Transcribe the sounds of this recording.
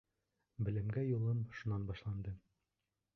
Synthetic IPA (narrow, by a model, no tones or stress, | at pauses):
bɘ̆lɘ̆mɡæjulˠɤmʃunɑnbɑʃlˠɑnd̪ɤ